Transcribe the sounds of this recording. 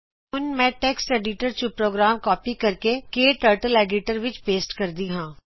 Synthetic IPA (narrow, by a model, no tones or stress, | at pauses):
ʊnmɛ̃ːʈɛːksʈɛːɖiʈəɾt͡ʃũpɾoːɡɾaːmkɔːpiːkəɾkekeːʈəːɾʈəlɛːɖiʈəɾʋɪt͡ʃpeːsʈkəɾd̪iːɦãː